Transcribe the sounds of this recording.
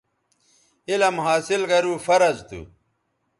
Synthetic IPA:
ilɐmɦaːsilɡɐɾuːfɐɾɐzt̪ṵ

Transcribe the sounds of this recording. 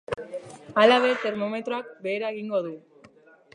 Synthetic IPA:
alaβe̞t̪e̞ɾmo̞me̞t̪ɾoakbe̞ːɾaeɣiŋɡo̞ðu

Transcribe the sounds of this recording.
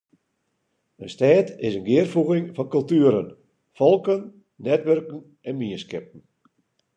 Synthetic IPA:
ənstɛːtɪsənɡɪərfuɣɪŋfɔnkɵlˠtyəɾən | fɔlˠkən | nɛtʋørkən̩ | ɛnmiənskɪp̚n̩

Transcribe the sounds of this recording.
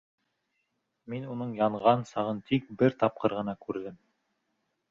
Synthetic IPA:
minunɤɴjɑɴʁɑnsɑʁɤnt̪ʰik̚bɘɾt̪ɑp̚qɤɾʁɤ̆nɑkʉɾðɘm

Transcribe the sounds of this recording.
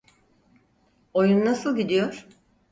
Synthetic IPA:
o̞junnasɯlˠɟid̪ijoɾ̥

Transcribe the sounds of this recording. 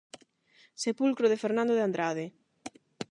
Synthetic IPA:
sepulkɾoðefeɾnãnd̪oðeand̪ɾaðɪ

